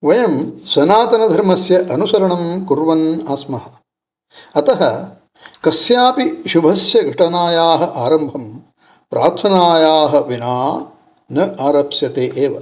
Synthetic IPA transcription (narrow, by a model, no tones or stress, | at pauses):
ʋɐjɐmsɐnaːt̪ɐnɐd̪ʱɐɾmɐsjɐʔɐnusɐɾɐɳɐmkuɾʋɐnaːsmɐɦɐ̆ | ɐt̪ɐɦɐ | kɐsjaːpiʃubʱɐsjɐɡʱɐʈɐnaːjaːɦɐʔaːɾɐmbʱɐm | pɾʔaːɾt̪ʰɐnaːjaːɦɐ̆ʋinaː | nɐʔaːɾɐpsjɐt̪eːʔeːʋɐ̰